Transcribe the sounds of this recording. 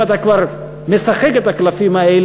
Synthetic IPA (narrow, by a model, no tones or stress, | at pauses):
at̪akwaɾ | mesaχekat̪aklafimael